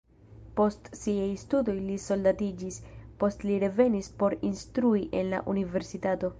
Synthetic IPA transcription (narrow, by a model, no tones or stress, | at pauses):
po̞stsiajstudo̞jliso̞ldatid͡ʒispo̞stliɾe̞ve̞nispo̞ɾinstɾuiʔe̞nla̰ʔunive̞ɾsitato̞